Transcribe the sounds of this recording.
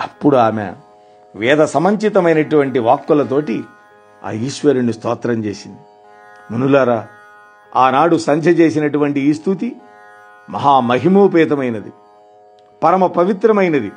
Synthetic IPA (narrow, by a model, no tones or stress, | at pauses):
ɐpːuɽuaːmḛ | ʋɛːd̪ɐsɐmɐɲt͡ʃit̪ɐmɐjnɐʈuʋɐɳʈiʋaːkːulɐt̪̬o̞ːʈi | a̰ːiːʃʋɐɾunist̪ɔːt̪ɾɐmt͡ʃeːsind̪i | munulaːɾaː | aːnaːɽusɐɲd͡ʒʱɐt͡ʃe̞ːs̬inɐʈuʋɐɳʈiːst̪ʰut̪̬i | mɐ̰ɦaːmɐɦimoːpɛːt̪ɐmɐjnɐd̪i | pɐɾɐmɐpɐʋit̪ɾɐmɐjnɐd̪i